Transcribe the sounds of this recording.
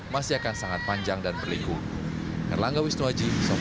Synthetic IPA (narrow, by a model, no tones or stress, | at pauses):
masiakansaŋat̪̚paɲd͡ʒaŋdanbərliku | kə̰rlaŋɡawisnuad͡ʒisɔ